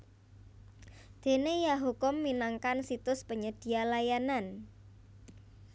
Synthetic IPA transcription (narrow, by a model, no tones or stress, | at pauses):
d̪̥e̤nejaɦukʊmːinaŋkansit̪ʊspəɲəd̪̥i̤alajanan